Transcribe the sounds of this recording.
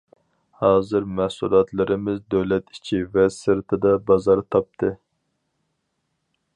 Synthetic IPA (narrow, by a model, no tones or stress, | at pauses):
hɑːzɨɾmɛhsṵlˠɑt̪ʰlˠɨɾɪmɪzd̪øwlɛt̪i̥t͡ʃʰivɛsɨɾt̪ʰɨd̪ɑbɑzɑɾt̪ʰɑp̚t̪ʰɨ